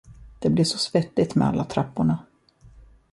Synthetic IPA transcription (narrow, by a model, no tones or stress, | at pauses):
d̪̥ɛblɪʂɔsvɛt̪ːɪt̪mɛ̰a̰lːat̪ʰɾapːʊɳa